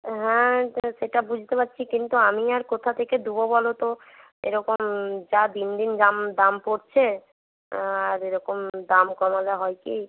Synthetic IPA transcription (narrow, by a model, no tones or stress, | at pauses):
ɦɛ̃ʃeʈabud͡ʑʱt̪epat̪ːɕʰikint̪uamiaɾkot̪ʰat̪ʰeked̪ubobɔlot̪o | ḛɾɔkomd͡ʑad̪ind̪ind̪amd̪ampoɾt͡ɕʰe | aɾeɾɔkomd̪amkɔmadaɦɔjkej